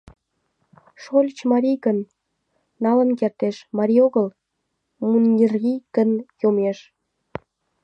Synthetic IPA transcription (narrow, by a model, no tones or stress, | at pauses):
ʃolʲt͡ɕmɑɾʲijɣənː | ɑlə̆nkert̪eʃmɑɾʲioɣəl | munʲːirikənjomeʃ